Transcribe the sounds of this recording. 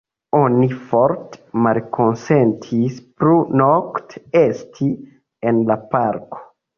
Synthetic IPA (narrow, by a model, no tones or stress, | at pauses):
onifoɾt̪malkʰonsent̪ʰispɾunokt̪est̪ʰi | enlapaɾko̥